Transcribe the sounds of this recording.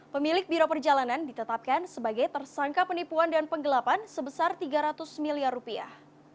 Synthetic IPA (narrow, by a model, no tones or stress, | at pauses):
pəmilɪk̚biɾopərd͡ʒalanandit̪ət̪ap̚kansəbaɡajt̪ərsaŋkapənipuandanpəŋɡəlapansəbəsart̪iɡaɾat̪ʊsmiliarːupia̰h